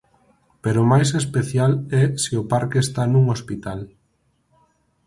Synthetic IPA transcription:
peɾomajs̬espeθjalɛsiopaɾkeest̪anũŋospit̪al

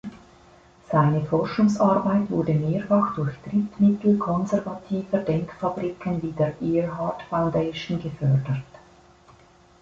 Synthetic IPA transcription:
z̥aɪnəfɔʁʃʊŋsɑɐbaɪtv̥ʊɐdəmeːɐfɑxd̥ʊrçtʁɪtmɪtl̩kʰɔnzɛʁvatʰiːvədɛŋkfɑbʁikʰənviːdeːɐʔɛɹɦɑtfaʊndeɪʃnɡəfœʁdət

